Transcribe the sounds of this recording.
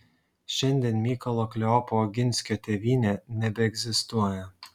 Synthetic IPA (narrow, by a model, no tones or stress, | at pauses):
ʃʲɛnʲd̪ʲiɛnmʲiːkɐlˠoklʲɛɔpoɡʲɪnʲsʲkʲoːt̪ʲɛʋʲiːnʲɛnʲɛbʲɛɛɡzʲɪst̪uɔjɛ